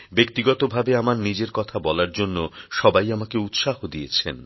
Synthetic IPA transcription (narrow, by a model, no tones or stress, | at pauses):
bek̚t̪iɡɔt̪obʱabeamaɾnid͡ʑeɾkɔt̪ʰabɔlaɾd͡ʑonːoʃɔbajamakeut̪ʃahod̪ijet͡ɕʰḛn